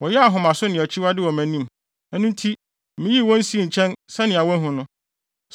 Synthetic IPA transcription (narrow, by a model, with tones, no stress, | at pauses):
wɔ˨jɛ˦a˨ɦʊ̃˨mã˨sʊ˦nɪ̃˨ɛ˨t͡ɕʰi˦wa˦dɪ˦wɔ˨mæ̃˨nĩ˦˨m˨ | ɛ˦nũ˦n˦tʰi˦ | mɪ̃˨˦ji˦˨wɔ̃˦n̩˦si˦˨ɲ̩˨t͡ɕʰɛ̃˦nsɛ˦nɪ̃˨a˨wɔ̃˦n˦ɦʊ̃˦nʊ̃˦